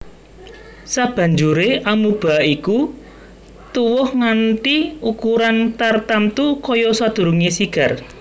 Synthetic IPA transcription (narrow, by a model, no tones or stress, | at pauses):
sab̥a̤ɲd͡ʒuɾeʔamub̥a̤iku | t̪uwʊhŋant̪iukuɾant̪art̪amt̪ukɔjɔsad̪̥ṳɾuŋesiɡ̥a̤r